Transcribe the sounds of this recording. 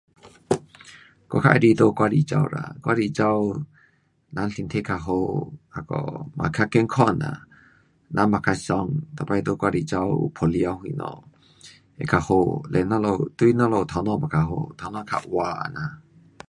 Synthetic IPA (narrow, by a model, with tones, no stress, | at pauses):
kɔ˧kʰa̰˧ʔɾi˧d̪o˦kwa˧ɾi˧˨t͡ʃa̰˧wɾa̰˨kwa˧ɾi˧t͡ʃa˧w | na˧˦nɬi˨nt̪ʰe˦kʰa˧ɦo˧a˨kɔ̰˨ma̰˨kʰa˦ke˦ŋkʰɔ˦na̰˨ | nʔa˧ma˨kʰa˧sɔ˧ŋt̪a˨pa˧jd̪o˧kwa˧ɾi˧t͡ʃa˧wpʰo˨li˧a˧ɦu˧i˧nɔ̰˧ | ḛ˨kʰa˨ho˧lɛ˨na˦lo˧t̪u˦i˦na˦lɔ˧˨t̪ʰa˨˧wnɔ̃˧˨ma˨kʰa˨ɦo̰˧t̪ʰa˨nɔ̃˦kʰa̰˧ʔwa˧a̰˨na˨